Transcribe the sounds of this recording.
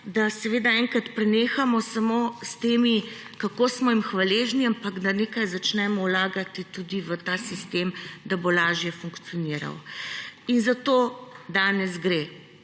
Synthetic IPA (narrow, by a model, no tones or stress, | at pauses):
d̪asɛʋeːd̪aɛŋkɾat̪pɾɛneːxamɔsamost̪eːmi | kakosmɔimxʋaleːʒniampaɡd̪aneːkajzat͡ʃnɛmɔwlaːɡat̪it̪ud̪iʋət̪aːsist̪emd̪abolaːʒjɛfuŋkt̪siɔniɾa̰w | inzat̪od̪aːnɛzɡɾe